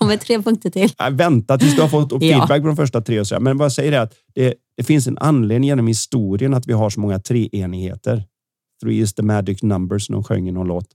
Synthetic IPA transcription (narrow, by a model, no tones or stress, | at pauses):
ɔmɛt̪ʰɾeːpʰɵŋk̚t̪əʈʰɪla̰vɛnt̪at̪ʰɪlsd̪ɵhaɾfɔt̪ːɔibæk̚pʰɔd̪ɔmfœʂʈat̪ʰɾeːɔsɔɛ̰ɾmɛnvajasɛjːəɾɛɾat̪ | d̪̥ɛd̪̥ɛfɪns̬ɛna̰nːleːd̪nɪŋjeːnɔmhɪst̪uːɾɪənat̪vɪɦaʂɔmɔŋːat̪ʰɾeːʔeːnɪɡhḛːt̪əɾ | θɾṵjɵst̪d̪əmæd͡ʒɪknambəɾsnɔ̰mɧœ̰ŋːənɔloːt̪ː